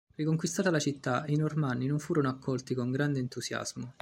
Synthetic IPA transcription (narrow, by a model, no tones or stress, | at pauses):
rikoŋkwist̪aːt̪alat͡ʃit̪ːainormanːinoɱfuːɾonoakːɔlt̪ikoŋɡɾand̪ent̪uzja̰z̥mo